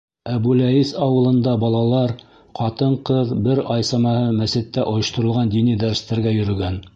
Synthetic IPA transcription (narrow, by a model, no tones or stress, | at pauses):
æbʉlæisɑwɤ̆lˠɤ̆nd̪ɑbɑlˠɑlˠɑɾ | qɑt̪ɤɴqɤðbɘɾɑjsɑmɑhɤmæsɘ̆t̪ːæʔŏjŏʃt̪ŏɾɤ̆lˠʁɑnd̪inid̪æɾst̪æɾɡæjɵ̆ɾɵ̆ɡæn